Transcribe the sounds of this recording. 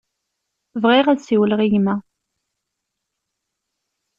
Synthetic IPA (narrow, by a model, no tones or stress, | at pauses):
vʁiʁæsiwəlʁiʝmæ